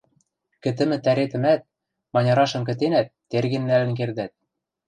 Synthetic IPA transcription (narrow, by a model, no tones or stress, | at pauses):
kɘ̆t̪ɘ̆mɘ̆t̪æɾet̪ɘ̆mæt̪̚ | mɑnʲɑɾɑʃɤ̆mk̬ɘ̆t̪enæt̪ːerɣɘ̆nːælɘ̆nk̬erd̪æt̪̚